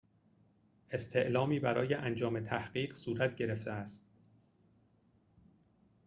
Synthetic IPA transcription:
e̞st̪ʰe̞ʔlɒːmiːbæɾɒ̰ːjeʔænd͡ʒɒːmet̪ʰæhɢ̥iːɢsuːɾæt̪ʰɟe̞ɾe̞ft̪eæst̪̚

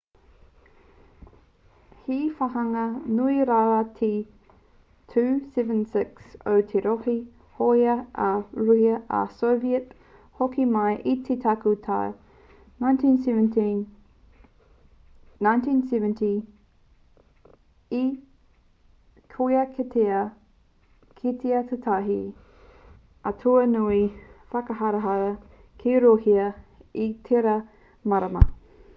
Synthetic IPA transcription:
hifɐɦɐŋɐnuiɾaɾatʰi | tʰʉːsɛvə̃nsɪkso̰wtʰeɾohi | hojɐʔɐɾujɐʔɐ̰soviət | hokimɐjʔit̪ʰet̪ʰakut̪ʰa | najntʰĩnsn | nãjntĩnsɛvə̃nti | i | kʰojɐkʰetʰeɐ | kʰitʰeɐt̪ʰɐtʰɐɦḭ | ɐtʰoɐnuifɐkɐɦɐɾɐɦɐj | kʰeɾohiɐitʰeɾɐ | mɐɾɐmɐ̰

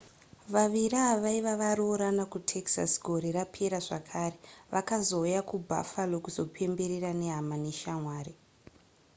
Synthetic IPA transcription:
ʋaʋiraːʋaiʋaʋaɾoɾanakutʰe̞ksa̰sɡʱo̞ɾerapʰe̞ɾaʐakʰaːɾe̞ʋakazo̞ujakubʱa̰falokuzo̞pʰe̞mbe̞ɾerane̞ɦamaneʃamwaːɾi

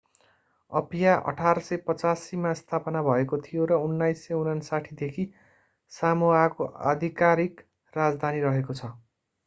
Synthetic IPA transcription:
ʌpijaʔʌ̰ʈʰaɾʌsʌjpʌt͡sasimast̪ʰapʌnabʱʌekot̪ʰijoɾʌunːajsːʌjunʌnsaʈʰid̪ekʰi | samuakoa̰d̪ʱikaɾik | rad͡zd̪ʱaniɾʌɦekot͡sʰʌ

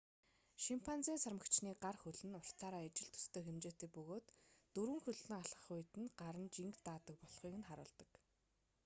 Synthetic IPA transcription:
ʃimpʰant͡siːnsarmə̆kt͡ɕniːɢarxɵɮɘ̆nʊr̥t͡sʰaːɾaːet͡ɕɪ̆ɮt̪ʰɵ̥st̪eːxemt͡ɕeːt̪eːpɵɣoːt̪ːɵɾwɘ̆ŋxɵɮɮɘ̆ŋaɮʁə̥̆χʊjt̪ɘ̆nɢaɾə̆nt͡ɕiŋkt̪aːt̪ə̆k̚pɔɮχiːkɘ̆nχaɾʊ̰ːɮt̪ə̆k

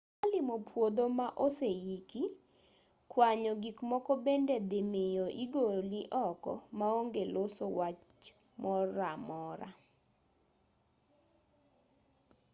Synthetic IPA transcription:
alɪmopwod̪omaʔosejiki | kwaɲɔɡikmɔkɔbended̪ɪmejoʔiɡoliʔɔkɔ̰maoŋɡelosowat͡ʃ | mɔɾamɔɾa̰

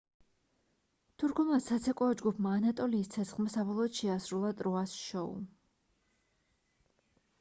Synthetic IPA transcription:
t̪ʰuɾkʰɔmasat̪sʰɛkʼɔɔd͡ʒɡupʰmaːnat̪ʼɔliːst̪sʰɛt̪sʰχmasabɔlˠɔːt̪ʃɛasɾulˠat̪ʼɾɔasʃɔṵ

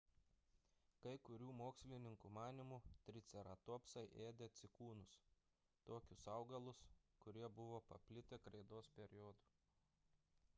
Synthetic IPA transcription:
kɐɪkʊɾʲuːmoːksʲlʲɪnʲɪŋkumɑːnʲɪmuːt̪ʲɾʲɪt̪sʲɛɾɐt̪oɔpsɐɪʔeːd̪ʲet̪sʲɪkuːnʊs | t̪oːkʲʊsɐʊɡɐlˠʊskʊɾʲiɛbʊʋoːpɐpʲlʲɪt̪ʲeːkɾɐɪd̪oːspʲɛɾʲɪjɔːd̪uː

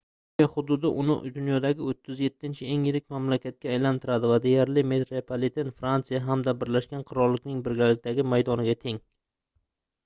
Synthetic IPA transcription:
aχʊd̪ʊd̪ɪʔʊ̰nɪ̰d̪ʊnjɒd̪aɡʲɪot̪ʰːɪzje̞t̪ʰːɪnt͡ʃʰɪe̞ŋjɪɾɪkʲmamlakʲʰat̪̚kʲaːjlant̪ʰɪɾad̪ɪvad̪e̞jaɾlɪmet̪ɾepʰalit̪ʰenfɾant̪sɨjaɦamd̪abɪɾlaʃkʲanqʰʊɾɒɾlːɪkʲnɪŋbɪɾɡʲalɪk̚ʲt̪aɡʲɪmajd̪ɒnɪɡʲat̪ʰe̞ŋ

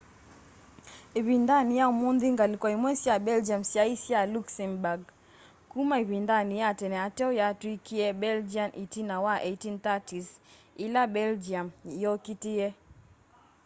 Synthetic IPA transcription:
iβindanijaumunðiŋɡalikwɔimwɛsjabɛld͡ʒiamsjaisialuksɛmbaɡ | kumaiβindanijatɛnɛatɛɔjatuikiɛbɛld͡ʒianʔitinawaʔɛitint̪atis | ilabɛld͡ʒiamjɔkitiɛ

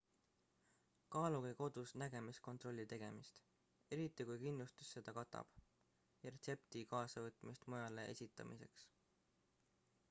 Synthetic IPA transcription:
kɑːluɡeko̞d̪̥usnæɡe̞misko̞nt̪ˑro̞lʲːit̪e̞ɡ̥e̞̰mist̪ | e̞ɾit̪ːˑikujkinlust̪u̥sːe̞d̪̥ɑkɑt̪ːˑɑ̰b̥ | jɑɾet̪se̞pt̪ikɑːsɑvɤt̪ːˑmist̪mujɑleʔe̞̰sʲit̪ːˑɑ̰mʔise̞̰ks

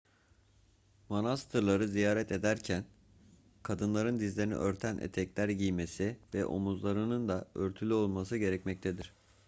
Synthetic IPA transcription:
monast̪ʰɯɾlˠaɾɯzijaːɾɛt̪ʰe̞d̪æɾcʰæn | kʰad̪ɯnlˠaɾɯnd̪izlʲeɾinḭʔø̞ɾt̪ʰænʔḛt̪ʰɛclʲæɾɟijme̞sivɛʔo̞̰muzlˠaɾɯnɯnd̪aøɾt̪ʰylʲyo̞lˠmasɯɟe̞ɾɛcmɛc̚t̪ʰed̪iɾ̝̥

